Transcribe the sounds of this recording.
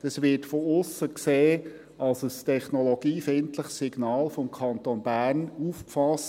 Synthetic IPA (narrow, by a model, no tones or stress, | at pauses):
d̥ɑsʋɪtfɔʊsːəkseː | ɑlsəstʰɛχnɔlɔɡ̥iːfɪntləχsiɡ̥nɑːlfɔmkʰɑntonbæːrnuːfkfɑs